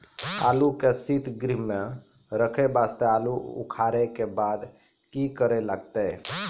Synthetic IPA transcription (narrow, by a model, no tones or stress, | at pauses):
a̰lukesit̪ʰɡɾiɦme | ɾəkʰebast̪ealuṵkʰaɾɛkebad̪ | kikəɾelaɡ̚t̪ɛ